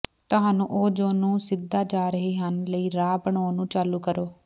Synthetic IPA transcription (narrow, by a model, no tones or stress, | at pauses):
t̪ʊɦaːnũːʔoːd͡ʒoːnũːsɪd̪aːd͡ʒaːɾəɦeːɦənləiːɾaːbəɳoːnũːt͡ʃaːluːkəɾoː